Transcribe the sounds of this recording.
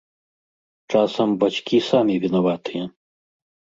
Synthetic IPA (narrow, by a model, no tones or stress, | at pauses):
t͡ʂasɐmbat͡ʃkʲisamʲivʲinavat̪ɨjɐ